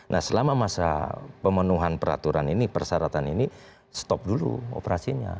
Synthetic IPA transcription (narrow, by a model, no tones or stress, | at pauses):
nʔahsəlamamasa̰pəmənuɦanpəɾa̰t̪uɾaninipərsaɾat̪anini | st̪ɔp̚dulṵo̰pəɾasiɲa̰